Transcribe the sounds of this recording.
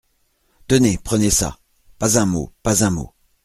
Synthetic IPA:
t̪ənepχənesa̰ | pazɛ̃mo̰pazɛ̃mo̰

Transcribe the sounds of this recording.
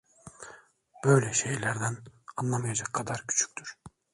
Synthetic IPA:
b̥ø̞jlʲɛʃe̞jlʲæɾd̪ænanlˠamɯjad͡ʒakʰːad̪aɾcʰy̥t͡ʃʰy̥c̚ʲt̪ʰyɾ̥

